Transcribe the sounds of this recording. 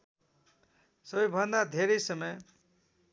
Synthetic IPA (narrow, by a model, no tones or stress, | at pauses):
sʌbʌjbʱʌnd̪ad̪ʱeɾʌjsʌmʌj